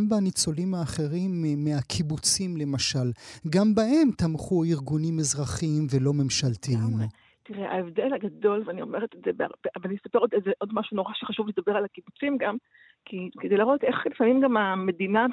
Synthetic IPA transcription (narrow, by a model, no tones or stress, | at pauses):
mbanit͡so̞limaːχe̞ʁimːeakʰibut͡simle̞maʃalɡambahe̞mt̪amχuiʁɡunimezʁaχimvelo̞me̞mʃalt̪im | t̪iʁeʔa̰evdelhaɡado̞lveanio̞meʁet̪etzebea̰bveanijesapeʁod̪ezeʔo̞dmaʃuno̞ʁaʃeχaʃuvled̪abeʁalhakibut͡simɡam | kʰiked̪ejlaʁot̪eχlifamimɡamame̞dina